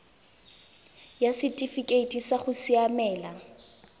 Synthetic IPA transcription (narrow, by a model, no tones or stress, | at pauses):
jasɪtʼifikʼeitʼisaχʊsiamɛːla